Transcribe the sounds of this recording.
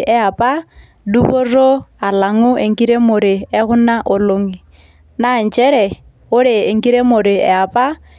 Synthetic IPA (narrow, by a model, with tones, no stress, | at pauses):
ʔɛ˦a˨pʼa˦ | du˦bʊ˦rɔ˦a˨la˨ŋʊ˦ʔe˨ŋ̩˦kʼi˦ɾe˦mʊ˨ɾɪ˨ɛ˦ɣʊ˦na˦ʔʊ˨lo˦ŋi˨ | na˦˨n̩˨t͡ʃʼɛ˦ɾɛ˨ | ʊ˦ɺɪ˨e˨ŋkʼi˦ɾe˦mʊ˨ɾɪ˨ɛ̰˨a˨pʼa˦